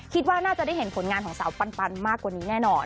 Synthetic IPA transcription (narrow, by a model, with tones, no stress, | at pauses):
kʰi˦t̪̚waː˥˩naː˥˩t͡ɕa˨˩da˥˩jɦe˩˦npʰo˩˦nŋaː˧nkʰɔː˩˦ŋsa̰˩˦wpa˧npa˧nmaː˥˩kːwaː˨˩niː˦˥nɛː˥˩nɔː˧n